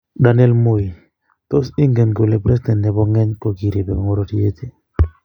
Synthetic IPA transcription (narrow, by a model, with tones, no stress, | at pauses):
da˨n˦ɛ˦lmo˦i˨ | t̪o˦si˦ŋɡe˨nɡo˨le˨pɾɛ˦sdɛ˨ntɛ˨bɔ˦ŋɛ˦ɲkɔ˨ɡi˨ɾe˨bɛ˨ŋo˦ɾo˨ɾi˦e˦t̪e˨